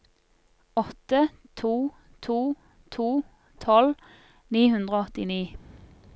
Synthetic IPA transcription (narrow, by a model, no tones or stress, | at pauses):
ɔt̪ə | t̪ʰuː | t̪ʰuː | t̪ʰuː | t̪ʰɔl | niːhʉnd̪ʁəoːɔt̪ɪniː